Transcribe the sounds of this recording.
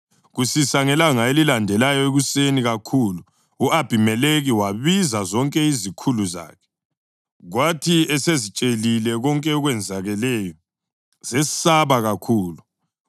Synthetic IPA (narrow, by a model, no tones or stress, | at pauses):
ɣusisaŋɛlaŋaelilandʱɛlajɔeɣuseniɣakʰulu | uʔab̥ʱimɛleɣiwaβizazɔŋkʼɛizikʰuluza̰ːkʰɛ̥ | ɣwatʰiɛsezit͡ʃʼelilɛɣɔŋkʼɛɔɣwɛnd͡zʱaɣɛlɛjɔ | z̥ɛsaβaɣakʰuːlu